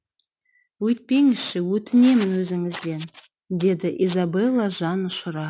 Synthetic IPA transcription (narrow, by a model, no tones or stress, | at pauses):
wɵjt̪̚pe̞ŋɪsʃɪwɵt̪ɪne̞mɪnwɵzɪŋɪzd̪e̞n | d̪e̞d̪ɪʔizabelˠːɑʒɑnʊʃʊɾɑ